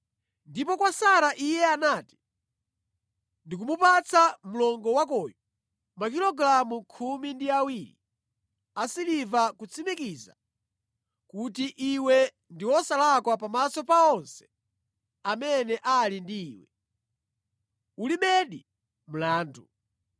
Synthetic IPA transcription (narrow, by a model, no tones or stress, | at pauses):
ndipɔkwasaɾaʔijɛanaːti̥ | ndik̬umupat͡sʰam̩lɔŋɡɔwakɔjɔ | mak̬ilɔɡɾamukʰumindiawiːɾḭ | asilivakut͡sʰimikiza̰ | kutiʔiwɛ | ndiwɔsalakwapamasɔpaɔnsɛ̥ | amɛnɛʔalindiːwɛ | uliɓɛɗi | m̩laːndu